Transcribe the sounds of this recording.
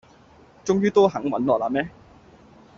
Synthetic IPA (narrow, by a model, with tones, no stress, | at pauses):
t͡sʊ˥ŋjyː˥t̪oː˥ɦɐ˨˥ŋwɐ˨˥nlɔː˨˩laː˧mɛː˥